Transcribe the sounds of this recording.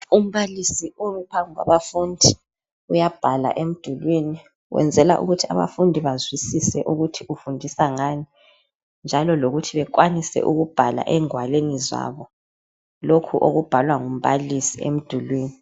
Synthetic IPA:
um̩βalisiumupʰaŋwa̰βafundʱi | ujab̥ʱala̰ʔem̩d̥ʱulwini | wɛ̰nd͡zʱɛla̰ʔṵɣutʰia̰βa̰fundʱiβazwisisɛʔuɣutʰiʔufundʱisaŋani | nd͡ʒʱalɔloɣutʰiβɛkwanisɛ̰ʔuɣub̥ʱala̰ʔɛŋwaleniza̰βɔ | lokʰuʔo̰ɣub̥ʱalwaŋum̩βa̰lisiḛm̩d̥ʱulwiːni

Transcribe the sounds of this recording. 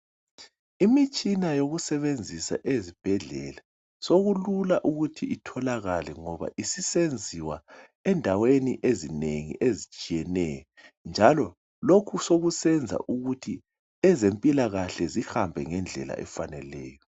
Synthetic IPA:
imit͡ʃʼinajoɣusɛβend͡zʱisa̰ʔezib̥ʱɛɮɛla | soɣululaʔuɣutʰiitʰɔlaɣalɛŋɔβa̰ʔisisend͡zʱiwa̰ | ɛndʱaweniʔezineŋḭʔezit͡ʃʼijɛnɛjɔ | nd͡ʒʱalɔ | lokʰusoɣusɛnd͡zʱa̰ʔuɣutʰi | ɛzempʼilaɣaɬɛzihambʱɛŋɛnd͡ɮʱɛ̰la̰ʔɛ̰fanɛlɛːjɔ

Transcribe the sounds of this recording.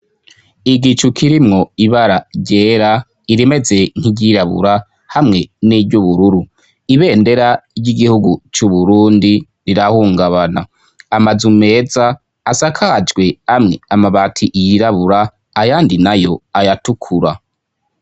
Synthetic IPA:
iɡit͡ʃukʰiɾimŋo̞iβaɾaɟe̞ːɾa | iɾime̞ze̞ŋ̥hiɟiɾaβṵɾa | hamŋe̞nibɟuβuɾuɾu | iβe̞ːnde̞ɾaɾɟiɡihuɡut͡ʃuβuɾuːndi | ɾiɾahuːŋɡaβanaː | mazume̞ːzaː | sakʰad͡ʒɡwe̞amŋe̞amaβatʰiʔjiɾaβuɾaː | jaːndinajo̞ajatukʰuɾa

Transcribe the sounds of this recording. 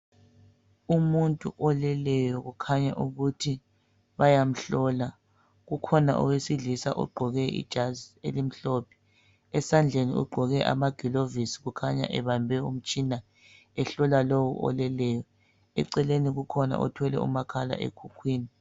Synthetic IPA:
umuntʼṵʔɔlɛlɛjɔɣukʰaɲaʔuɣutʰi | βajam̩ɬɔla | ɣukʰɔna̰ʔɔ̰wesiɮisa̰ʔṵɡ͡ǃʱɔɣɛḭd̥ʒ̥ʱazielim̩ɬɔp̚ʰi̥ | ɛsand͡ɮʱenḭṵɡ͡ǃʱɔɣɛʔa̰maɡ̥ʱilovisi̥ɣukʰaɲa̰ʔɛβambʱɛum̩t͡ʃʼina | ɛɬɔlalowṵʔɔ̰lɛlɛjɔ | ɛ̰ǀɛleniɣukʰɔna̰ʔɔ̰tʰwɛlɛ̰ṵmakʰala̰ʔḛkʰukʰwiːni

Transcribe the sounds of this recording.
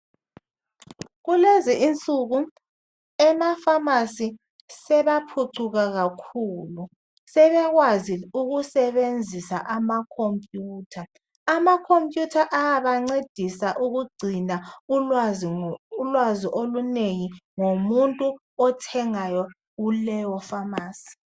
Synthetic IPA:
ɣulɛzɛʔint͡sʼuɣu | ɛmafamasi | sɛβapʰuǀʰuɣaɣakʰuːlu | sɛβɛɣwaziuɣusɛβend͡zʱisaʔamakʰompʼjuːtʰa | amakʰompʼjutʰaʔajaβaŋ͡ǀed̥ʱisaʔuɣuɡ͡ǀʱinaulwaziulwaziʔoluneŋiŋomuntʼu | ɔtʰɛŋajɔ | ɣulɛwɔfamaːsi̥

